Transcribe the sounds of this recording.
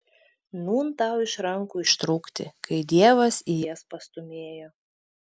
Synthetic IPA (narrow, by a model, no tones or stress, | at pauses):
nuːnt̪ɑˑʊɪʃɾɐŋkuːɪʃt̪ɾuːkt̪ʲɪ̰kʰɐɪd̪ʲiɛʋɐsijɛspɐst̪ʊmʲeːjoː